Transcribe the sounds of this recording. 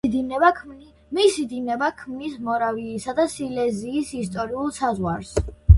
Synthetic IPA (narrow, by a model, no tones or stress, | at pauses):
misid̪inɛbakʰmnismɔɾaviːsad̪asilɛziːsist̪ʼɔɾiulˠsazʁwaɾs